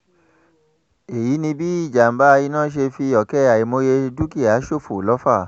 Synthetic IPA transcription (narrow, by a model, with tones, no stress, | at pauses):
e˨ji˨˦nĩ˧bi˦i˦˨d͡ʒa˨m̩˨ba˦˧ji˧nãː˦˨ʃ̬e˧fi˧˦ɔ˨kɛ˦a˨i˨mo˧je˧du˦ki˦˨a˨˦ʃo˦˨fo˨lɔ˨˦fa˦˨